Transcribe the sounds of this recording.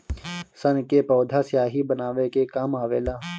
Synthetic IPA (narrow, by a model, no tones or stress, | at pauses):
sɐnkepɔːd̪ʱasjaːɦibənaːʋekekaːmaːʋeːlaː